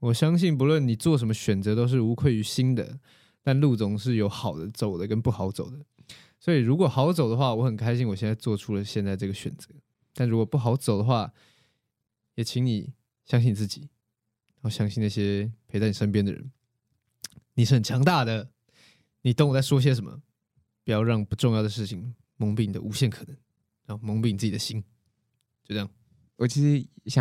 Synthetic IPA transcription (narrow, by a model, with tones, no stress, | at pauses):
wɔ˨˩ɕjɑ˥ŋɕi˥˩np̬u˧˥lwə˥˨˩nni˨˩t͡swɔ˥˨ʂ̬ə˧˥mə˧ɕɥɛ˨˩nt͡sɤ˧˦t̪o˥ʊʂ̬ɻ̩˥˩u˧˥kʰwe˥˩ɪy˧˥ɕi˥nd̪ə̰˨ | t̪a˥˧nlu˥˩t͡sʊ˧˥ŋʂ̬ɻ̩˥˩jo˧˥ʊxɑ˨˩ʊd̪ə˦t͡so˨˩ʊd̪ə˦kə˦npu˥˩xɑ˨˥ʊt͡so˨˩ʊd̪ə˦ | swɔ˧˥i˨ɻu˧˥kwɔ˨˩xɑ˧˥ʊt͡so˨˩ʊd̪ə˩xwa˥˩wɔ˧˦xə˨˩nkʰa˥ɪɕi˥˧nwɔ˨˩ɕjnt͡sa˥˧t͡swɔ˥˨ʈ͡ʂʰu˥lə˨ɕjɛ˥˧nt͡sa˥˩ɪ˩ʈ͡ʂɤ˥˩ɡə˩ɕɥɛ̰˨˩nt͡sə˧˦ | t̪nɻu˦˥kwɔ˨pu˥˩xɑ˨˥ʊt͡so˨˩ʊd̪ə˦xwa˥˩ | jɛ˨˩t͡ɕʰi˧˥ŋni˨˩ | ɕjɑ˥ŋɕi˥ni˨˩t͡sɨ˥˩t͡ɕi˨˩ | ɻa˨˧˥xo˥˧ʊɕjɑ˥ŋɕi˥˧na˥˩ɕjɛ˦˥pʰe˧˥ɪt͡sa˥˩ɪni˨˩ʂə˥np̬jɛ˥nd̪ə̰˨˩ɻə̰˦n | ni˨˩ʂɻ̩˥˩xə˨˩nt͡ɕʰjɑ˧˥ŋt̪a˥˩d̪ə˩ | ni˨˩t̪ə˥ŋ˨˩t͡sa˥˩ɪwɔ˥i˧ɕ̬jɛ˥ʂə˨˦mə̰˩ | pi˨˩jɑ˥˧ʊɻɑ˥˩ŋ˩pu˧˥ʈ͡ʂʊ˥˧ŋjɑ˥˩ʊd̪ə˩ʂɻ̩˥˩t͡ɕʰi˨˩ŋ | mɤ˧˥ŋpi˨˩ŋ˨d̪ə̰˦ʔu˧˥ɕjɛ˥˩nkʰɤ̥˨˩nə˧˦ŋ | ɻa˧˦xo˥˩ʊmɤ˧˥ŋpi˧˩ni˨˩t͡sɨ˥t͡ɕi˨d̪ə˨˩ɕi˦n | t͡ɕjo˥˧ʊt͡sjɑ˥˩ | wɔ˨˩t͡ɕʰi˧˥ʂɻ̩˧˥ɕ